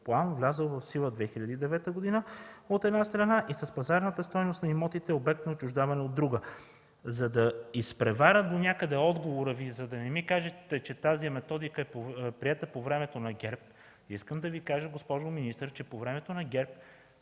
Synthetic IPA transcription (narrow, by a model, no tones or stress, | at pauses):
plˠanvlʲazəlˠvɐfsilˠəd̪vɛxiʎʲɐd̪iːd̪ɛvɛt̪əɡod̪inəot̪ɛd̪nast̪ɾɐnaʔisɐspɐzaɾnət̪əst̪ɔjnost̪nɐimɔt̪it̪ɛobɛk̚t̪noːt͡ʃʊʒd̪avɐnɛod̪ːɾuɡə | zɐd̪ɐispɾɛvaɾʲəd̪onʲjakəd̪ɛɔd̪ɡovoɾəvizɐd̪ɐnɛmikaʒɛt̪ɛt͡ʃɛt̪azimɛt̪ɔd̪ikəɛpopɾiɛt̪əpovɾɛmɛt̪onɐɡʲɛɾp̚ | iskəmd̪ɐvikaʒəɡospɔʒominist̪əɾt͡ʃɛpovɾɛmɛt̪onɐɡʲɛɾp̚